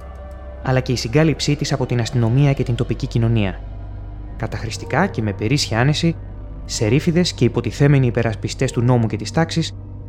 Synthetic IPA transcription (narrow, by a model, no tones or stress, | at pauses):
ɐlɐce̞isiŋɡɐlipsit̪isɐpo̞t̪inɐst̪ino̞miɐce̞t̪int̪o̞picicino̞niɐ | kɐt̪ɐxɾist̪i̥kɐce̞me̞pe̞ɾisçiɐne̞si | se̞ɾifiðe̞sce̞ipo̞t̪iθe̞me̞niːpe̞ɾɐspist̪e̞st̪uno̞muce̞t̪ist̪ɐksis